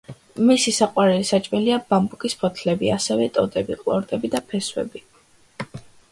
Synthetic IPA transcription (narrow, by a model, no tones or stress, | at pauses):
misisaqʼwaɾɛlisat͡ʃʼmɛliabambukʼispʰɔt̪ʰlɛbiasɛvɛt̪ʼɔd̪ʼɛbiqʼlˠɔɾt̪ʼɛbid̪apʰɛswɛ̰bi